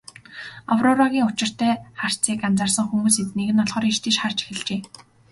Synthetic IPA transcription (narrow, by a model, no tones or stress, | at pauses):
a̰wrʊɾaɣʲiːŋʊt͡ɕɪ̆r̥t̪æːχar̥t͡siːkant͡sarsə̆ŋxumuːset̪neɣɘ̆nɔɮʁɞːɾiʃt̪ʰeʃχar̥t͡ɕe̥xɘ̆ɮt͡ɕeː